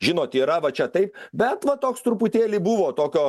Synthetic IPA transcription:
ʒʲɪnoːt̪ʲiːɾɐʋɐt͡ʃʲɛt̪ɐɪp̚bʲɛt̪ʋɐt̪oːkst̪ɾʊpʊt̪ʲeːlʲiːbuʋoːt̪oːkʲoː

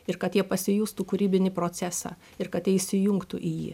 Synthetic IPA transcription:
ɪɾkɐt̪jiɛpɐsʲɪjuːst̪uːkʊɾʲiːbʲɪnʲɪpɾoːt̪sʲæːsɑ̰ː | ɪɾkɐt̪jʲɛɪsʲɪjʊŋkt̪ṵʔiːjḭː

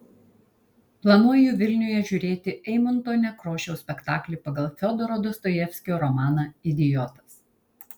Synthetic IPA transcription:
plˠɐnuɔjuʋʲɪlʲnʲʊjɛʒʲʊɾʲeːt̪ʲɪʔɛɪmʊnt̪oːnʲɛkɾoːʃʲɛʊsʲpʲɛkt̪ɑːklʲiːˑpɐɡɐlˠfʲɔd̪ɔɾoːd̪ɔst̪ɔjɛfʲsʲkʲɪoːɾɔmɑːnɐɪd̪ʲɪjɔt̪ɐ̥s

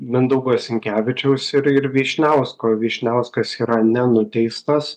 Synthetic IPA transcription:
mʲɪnd̪uːɡoːsʲɪŋʲkʲæːʋʲɪt͡ʃʲɛʊsɪɾɪɾʋʲiɛʃʲnʲɛʊskoːʋʲiɛʃʲnʲɛʊskɐsiːɾɐnʲɛnʊt̪ʲɛɪst̪ɐs

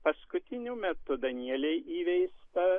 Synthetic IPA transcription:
pɐskʊt̪ʲɪnʲʊmʲɛt̪ʊd̪ɐnʲiɛlʲɛɪʔiːʋʲɛɪst̪ɐ

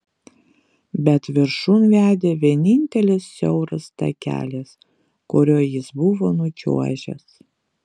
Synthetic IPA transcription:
bʲɛt̪ʋʲɪɾʃunʋʲæːd̪ʲeːʋʲiɛnʲɪnʲt̪ʲɛlʲɪsːʲɛʊɾɐst̪ɐ̰kʲæ̰ːlʲes | kʊɾʲoːjɪsbʊʋoːnʊt͡ʃʲṵɔʒʲɛ̰s

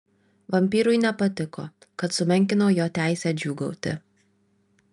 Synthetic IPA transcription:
ʋɐmʲpʲiːɾʊɪnʲɛpɐt̪ʲɪko̰ː | kɐt̪sʊmʲɛŋʲk̬ʲɪnoːjoːt̪ʲæˑɪsʲæːd͡ʒʲuːɡɐʊt̪ʲɪ̰

